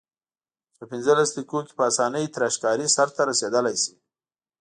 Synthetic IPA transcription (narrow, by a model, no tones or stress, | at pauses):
pəpɪnzəlaslikoke̥pəasɑnəjt̪ɾaʃkɑɾisaɾt̪aɾased̪əlajsi̥